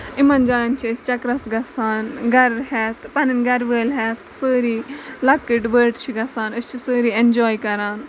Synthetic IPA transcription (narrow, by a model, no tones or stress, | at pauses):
imɐnd͡ʒaːlɐnt͡ʃʰist͡ʃɐkɾɐsɡɐsaːnɡɐɾhɛt̪pɐninɡɐɾʋəːlɦɛt̪səːɾiːlɐkːiʈʋəːʈt͡ʃʰiɡɐsaːnɨst͡ʃʰisəːɾiːend͡ʒɔːjkɐɾaːn